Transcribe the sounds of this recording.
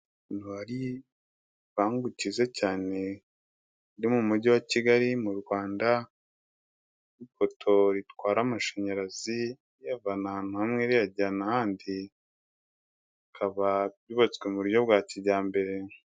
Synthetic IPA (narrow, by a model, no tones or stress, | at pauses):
nuaɾi | βaːŋɡucizecaːne̞ | ɾimumuɟiwaciɡaɾimuɾɡwaːnda | ifo̞tʰo̞ɾitwaːɾamaʃeɲaɾazi | javanahaːn̥huhamŋeɾijaɟanahaːndi | ikʰaβaβjuβat͡skwemuɾujo̞βɡwaːciɟaːmbe̞ɾe